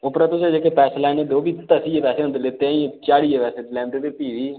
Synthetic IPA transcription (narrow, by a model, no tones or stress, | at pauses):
ʊpɾaːt̪ʊseːd͡ʒeːkepɛːslaːɪned̪oːbiːt̪əsiːepɛːseːə̃nd̪let̪eãĩt͡ʃaːɽiːepɛːseːd̪lɛːmʈed̪et̪iːʋiː